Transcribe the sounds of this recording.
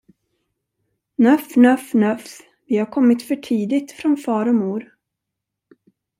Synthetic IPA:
nœfnœfnœf | vɪhaɾkʰɔmːɪt̪fœʈʰiːd̪ɪt̪fɾɔnfɑːɾɔmuːɾ

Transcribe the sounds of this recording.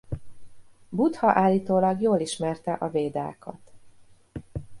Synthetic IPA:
but̪hɒʔaːlːiːt̪oːlɒɡjoːliʃmɛrt̪ɛʔɒveːd̪a̰ːkʰɒ̰t̪

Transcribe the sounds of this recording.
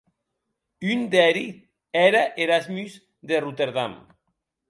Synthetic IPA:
ynd̪ɛɾi | ɛɾaʔeɾazmyz | ðerut̪eɾðam

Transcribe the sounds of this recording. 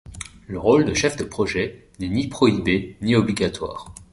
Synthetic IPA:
ləʁold̪əʃɛfd̪əpχɔʒɛnɛnipχɔibeniɔbliɡʲat̪wa̰ːʁ

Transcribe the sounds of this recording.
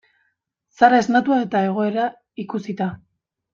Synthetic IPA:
saɾae̞znat̪uae̞t̪ae̞ɣ̞o̞e̞ɾa | ikusit̪a

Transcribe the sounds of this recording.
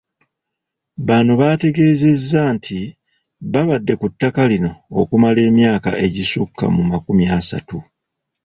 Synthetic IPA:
βanuβaːte̞ɡe̞ːze̞zːaːntʰi | βaβadːe̞kutːakalino̞ːkumale̞ːmjaːka̰ʔe̞ɟisukːa̰mumakumjaːsa̰tu

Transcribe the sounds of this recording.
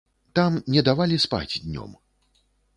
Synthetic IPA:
t̪amnʲɛd̪avalʲispa̰d͡zʲd̪ʲnʲɔ̰m

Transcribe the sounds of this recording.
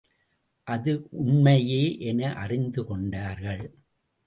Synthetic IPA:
ʔɐðɯʔʊɳmɐjeːʔɛnɐʔɐrɪnd̪ɯkɔɳɖaːɾɣɐɭ

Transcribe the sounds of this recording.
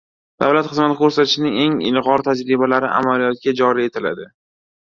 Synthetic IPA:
d̪̥avlat̪χɨzmat̪ɪkʰɵɾsat̪ʰɪʃɪnɪŋe̞ŋɪ̰lʁɒɾt̪ʰad͡ʒɾɪbalaɾɪʔa̰malijɒt̪̚ɡʲad͡ʒɒɾie̞t̪ʰɪla̰d̪ɪ

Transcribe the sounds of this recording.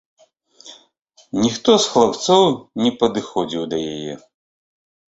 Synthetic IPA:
nʲixt̪ɔsxlˠap̚t̪sɔwnʲɛpɐd̪ɨxɔd͡zʲiwd̪ɐjajɛ̰

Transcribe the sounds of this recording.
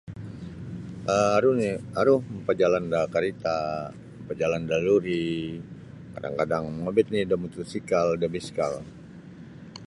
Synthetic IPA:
ʔəaɾunɪhaɾuhmpad͡ʒalandakaɾit̪a | mpad͡ʒalandaluɾi | kada̰ŋkadaŋmabɪt̪̚nɪhdamut̪usikaldabiskal

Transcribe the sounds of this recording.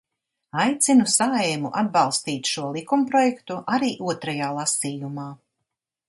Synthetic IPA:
ajt̪sinusaɛmṵʔa̰d̪̚bɑlˠst̪iːt̪ʃuɔlˠikumpɾɔjɛkt̪uʔaɾiːʔuɔt̪ɾajaːlˠasiːjumaː

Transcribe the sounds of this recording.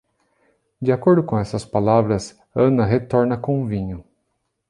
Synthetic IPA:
dd͡ʒiakoɾd̪ʊkõɛsɐspalavɾɐs | ɐ̃nɐɦet̪ɔɾnɐkõũvĩɲʊ

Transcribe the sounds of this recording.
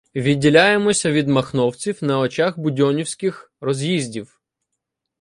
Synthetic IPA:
ʋʲidʲːilʲajemɔsʲɐʋʲid̪mɐxnɔwt͡sʲiwnɐɔt͡ʃaɣbʊdʲɔnʲiwsʲkɪx | rɔzʲjizʲdʲiw

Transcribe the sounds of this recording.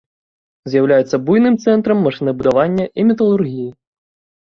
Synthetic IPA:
zʲjɐwlʲajɛt̪sʲːɐbujnɨmt̪sɛnt̪ɾɐmːɐʂɨnɨbud̪aʋanʲːɐʔimʲit̪ɐlˠurɣʲiji

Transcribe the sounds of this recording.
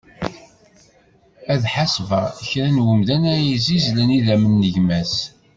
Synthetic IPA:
æðħasvəʁəçɾænwəmðænæjizizlæniðæmənːəʝmæs

